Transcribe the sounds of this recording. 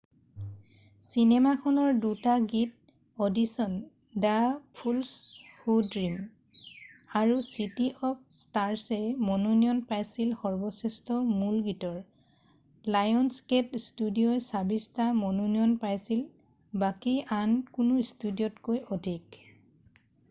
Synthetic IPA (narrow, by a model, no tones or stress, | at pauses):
sinɛmakʰɔnɔɹdutaɡit̚ | ɔdisɔn | dapʰulshudɹim | aɹusitiʔɔp̚ʰstaɹsɛmɔnunijɔnpajsilxɔɹbɔsɛstɔmulɡitɔɹ | lajɔnsketstudijɔjsabistamɔnuniɔnpajsil | bakiankunʊstudijɔtkojʔɔdʱik